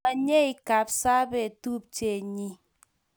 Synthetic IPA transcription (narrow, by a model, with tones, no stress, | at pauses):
a˨ɲe˦i˦ka˨p̚sa˦be˦˨tu˦p̚t͡ʃe˨ɲi˦